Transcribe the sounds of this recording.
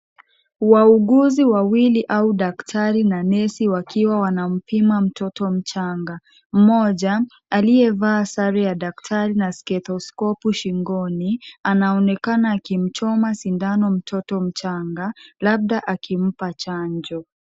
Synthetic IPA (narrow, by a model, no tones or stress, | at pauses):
wauɡuziwawiliʔauɗaktʰaɾinanɛsiwakiwawanam̩pimam̩tɔtɔm̩t͡ʃaŋɡa | m̩mɔʄaː | lijɛvaːsaɾɛjaɗaktʰaɾinaskɛt̪ɔskɔpuʃiŋɡɔnianaɔnɛkanaːkim̩t͡ʃɔmasindanɔm̩tʰɔtɔm̩t͡ʃaŋɡalab̚ɗaʔakim̩pat͡ʃaɲd͡ʒɔ